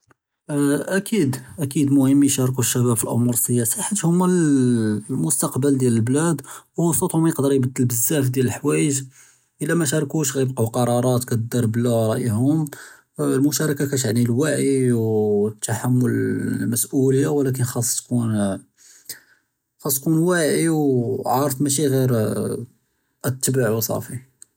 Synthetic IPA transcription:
ʔækid̪ʔækid̪mʊhəmːiʃɑɾˤk̬uʃːæbæbfilʔɑ̰muɾsəjæsiħat̪ːhʊmːæl | mʊst̪ɑqbəld̪jæləlblæd̪wwɑsˤət̪hʊmæjəqd̪əɾˤjbəd̪ːəlbəzːæf̬d̪jæləlħwæjəʒ | ʔəlːæmæʃ̬ɑɾˤkuʃɣæjəbquqɑɾˤɑɾˤɑt̪kæt̪əd̪ːɑɾˤblæɾˤɑʔəhʊm | lmʊʃɑɾˤɑkakæt̪ʕnilwaʕiwt̪ːaħamːʊlmæsʔuləjːawlæk̬ənxɑsˤt̪kun | xɑsˤkunwæʕiwʕɑɾˤəfmæʃ̬iɣiɾ | ʔət̪ːəbəʕwɑsˤɑ̰fi

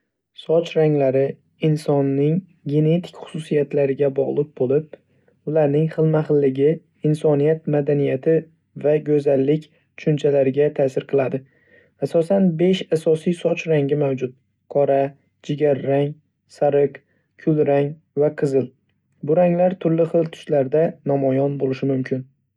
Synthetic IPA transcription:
sɒt͡ʃʰɾaŋlaɾɪ | ɪnsɒnːɪŋ | ɡʲe̞ne̞t̪ʰɪ̥kʲχʊ̥sʊsijat̪laɾɪɡʲabɒʁlˠɪq̚bolɪp̚ | ʊlaɾnɪŋχɨlˠmaχɨlːɪɡʲɪ | ɪnsɒnijat̪̚mad̪anijat̪ʰɪ | vaɡʲɵzalːɪkʲ | t̪ʰʊ̥ʃʊnt͡ʃʰalaɾɪɡʲat̪ʰaːsɪɾqʰɨlˠad̪ɪ | asɒsanbe̞ʃasɒsijsɒt͡ʃʰɾaŋɡʲɪmawd͡ʒʊt̪̚ | qʰɒɾa | d͡ʒɪɡʲaɾːaŋ | saɾɨq | kʰʊlˠɾaŋ | vaqʰɨzɪl | bʊɾaŋlaɾt̪ʰʊɾlɪχɨlˠt̪ʰʊ̥ʃlaɾd̪anamɒjɒnbolɪʃɪmʊmkʲʰɪn

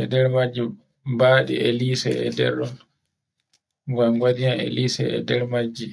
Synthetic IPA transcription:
ɛdɛɾmad͡ʒːi | baːɗḭʔeliːsɛɛ̰dɛ̰ɾɗɔn | ɡamɡwadianḛliːsɛ̰ɛ̰dɛɾmad͡ʒːi

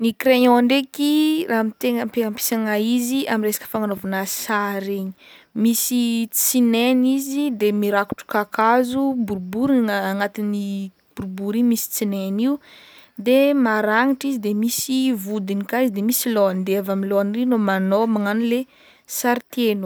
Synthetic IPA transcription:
nikɾeɲõaɳɖ͡ʐekirʔamit̪eŋəmpeŋampi̥saŋaiziaminresḁkə̥faŋanovanasaɾeɲi̥misit͡sinenizid̪emiɾaku̥ʈ͡ʂu̥kakazubuɾbuɾiŋaŋat̪ini | b̥uɾbuɾimisi̥t͡sineniu | d̪emaɾaŋiʈ͡ʂizid̪emisivud̪inikaizid̪emisiloand̪eavamiloanirinomanomaŋanile | saɾit̪enu̥

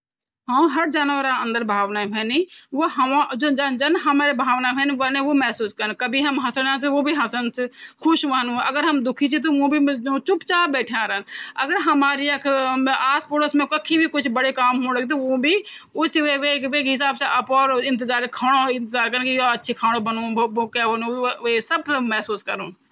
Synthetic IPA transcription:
ɦãːɦɐɾd͡ʒaːnʋəɾaɐ̃nd̪əɾbʱaːʋnabʱɛːniʋoɦɐãd͡ʒod͡ʒad͡ʒɐnɦɐmaːɾebʱaːʋnabʱɛːniʋɐnẽʋomɛɦsuːskɐɾnkɐbʱiɦɐmɦɐsəɽãt̪ʋoːbʱiɦɐsənskʰʊʃʋaːnuɐɡəɾɦɐmd̪ʊkʰit͡ʃʰit̪̬oʋũbʱiot͡ʃʊpt͡ʃaːbɛːʈʰeãːɾənɐɡəɾɦɐmaːɾiɐkʰaːspoːʈəsmẽkɐkʰibʱikʊt͡ʃʰbɐɽekaːmɦũːɾəɡit̪oõbʱi | ʊsʋeʋeːkʋeːkɦɪs̬aːbseʔɐpɔːɾɪ̃nt̪̬ɪzaːɾkʰaːɽ̃oɪ̃nt̪ɪzaːɾkɐɾnkijoɐtːʃʰikʰaːɽ̃obɐnõbookɛʋɐnuʋesɐb̚kmɛɦsuːskɐɾuːn

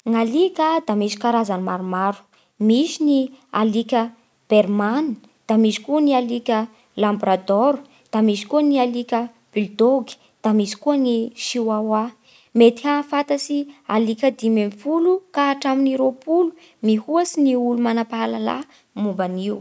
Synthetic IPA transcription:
ŋalikʲəd̪amisi̥kaɾazanimaɾumaɾu̥ | misinialikʲə | b̥erman | d̪̥amisi̥kuənialikʲə | lambɾad̪oɾu̥ | d̪̥amisi̥kuənialikʲə | b̥ild̪oɡi̥ | d̪̥amisi̥kuəniʃiwawa | met̪iafat̪asialikʲəd̪imemfulukaːʈ͡ʂaminiɾopulu̥ | mihuasiniulumanapaalala̰ | mumbaniw

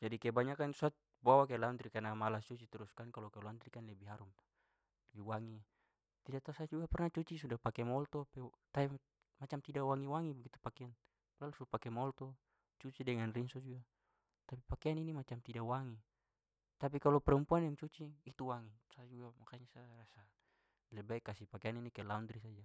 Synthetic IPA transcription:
d͡ʒadikɛbaɲakansuat̪̚ | bawakɛlaunt̪ɾikanamalat͡ʃut͡ʃit̪ɛɾuskankalɔkɛlnt̪ɾikanlɛbiɦaɾumt̪ | lɛbiwaŋi | t̪idat̪asad͡ʒuapɛrnat͡ʃut͡ʃisudapakɛmɔlt̪ɔpɛt̪ai | mat͡ʃamt̪idawaŋiwaŋibaɡit̪upakɛan | plalusuapakɛmɔlt̪ɔ | t͡ʃut͡ʃidɛŋanrinsɔd͡ʒua | t̪apipakɛaninimat͡ʃamt̪idawaŋi | t̪ap̬ikalɔpɛɾumpuanjaŋt͡ʃut͡ʃiːt̪uwaŋisad͡ʒuamakaɲasarasa | lɛbaikasipakeaninikɛlaund̪ɾisad͡ʒa

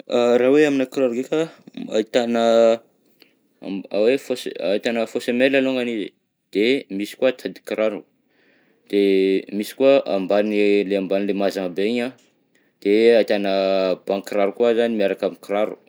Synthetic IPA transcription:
araweaminakraɾuɡekaa̰it̪anə | awefosait̪anəfosemelaloŋɡanizḭ | d̪̥emisi̥kuat̪ʰad̪i̥kɾaɾu | d̪̥emisi̥kuaʔa̰mbanileambanilemazaŋabeiɲa | d̪̥eait̪anəb̥aŋkɾaɾukuazanimiaɾakaminkɾaɾṵ

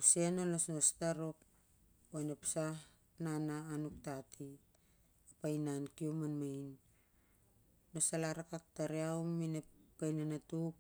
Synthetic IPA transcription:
use̞nolosnostaɾok | anepsah | nanaːnuk̚tatʰi | apajnankiomanmajn | o̞salaɾakak̚taɾeawminepkajnanatuk̚

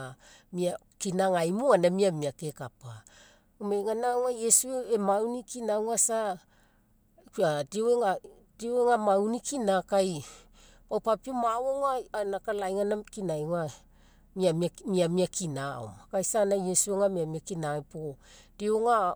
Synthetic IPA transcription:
mia | kinaŋajmuanamiamiake̞kapa | omejŋanaŋajesueemawnikinawŋasa | kadioweŋa | d̥ioweŋamawnikinakaj | pawpapiomaoŋaanakalajŋanakinajŋa | miamamiamiakʰinaoakajsanajesueŋamiamiakinapo | d̥ioŋa

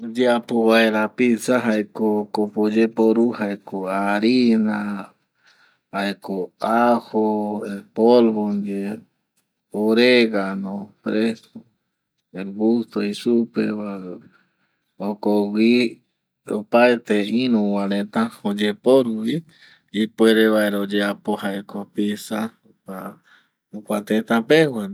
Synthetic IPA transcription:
d͡ʒeapoβaeɾapisaɦaekokopod͡ʒepoɾuhaekoaɾina | haekoahoepolβond͡ʒe | oɾeɡanõpɾeso | eɡust̪oisupḛβa | okowi | o̰paet̪eĩnũwaɾẽt̪ãod͡ʒepoɾuβi | ipweɾeβaeɾaod͡ʒeapohaekopisa | a | okʷat̪et̪ãpewa

